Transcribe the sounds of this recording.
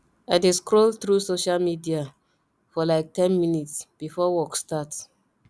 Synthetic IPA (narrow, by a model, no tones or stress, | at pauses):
aɪdeskɹolt̪ɹusoʃalmidia | fɔlaɪk̚tɛ̃nminitsb̥ifɔwɔkstat